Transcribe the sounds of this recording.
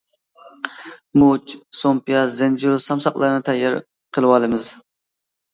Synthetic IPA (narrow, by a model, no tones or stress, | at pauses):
mut͡ʃsompijɑzend͡ʒiusɑmsɑq̚lˠɑɾɨnɨt̪ʰɛjːɑɾ | qʰəlˠɨwɑlˠɨmɨz̥